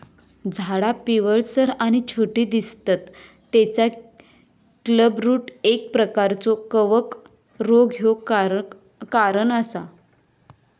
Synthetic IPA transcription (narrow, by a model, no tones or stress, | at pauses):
d͡zʱaɽapiʋəɭsəɾaɽ̃it͡ɕʰoʈiːd̪ist̪at̪ː | et͡sa | kləbɾuːʈek̚pɾəkaɾt͡sɔkəʋək | ɾoɡjo | kaɾəɳəsa̰